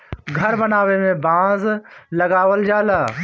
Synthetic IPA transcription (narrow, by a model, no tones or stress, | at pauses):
ɡʱɐɾbənaːʋemẽbãːzlɐɡaːʋəld͡ʒaːlaː